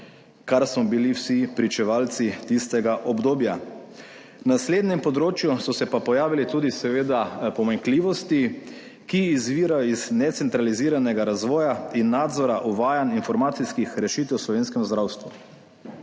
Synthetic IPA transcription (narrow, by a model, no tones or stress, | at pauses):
kaɾsmɔbiliwsipɾit͡ʃɛʋaːlt̪sit̪ist̪ɛɡaʔɔbd̪oːbja | nasleːd̪nɛmpɔd̪ɾoːt͡ʃjusɔsɛpapɔjaːʋilit̪uːd̪isɛʋeːd̪apɔmaŋkliːʋɔst̪i | kiːzʋiːɾajɔiznɛt̪sɛnt̪ɾaliziːɾanɛɡaɾazʋɔːjainːaːd̪zɔɾaʔuʋaːjaninfɔɾmaːt̪siskixɾɛʃiːt̪ɛwslɔʋeːnskɛmzd̪ɾawst̪ʋu